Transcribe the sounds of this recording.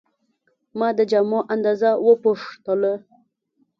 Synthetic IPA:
mɑd̪əd͡ʒamɑʔand̪ɑzawəpoʂt̪ələ

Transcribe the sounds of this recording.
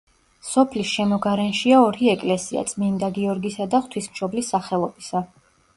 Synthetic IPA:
sɔpʰlisʃɛmɔɡaɾɛnʃiaɔɾiɛkʼlɛsia̰t̪sʼmind̪aɡiɔɾɡisad̪aχt̪ʰwismʃɔblisːaχɛlˠɔbisa

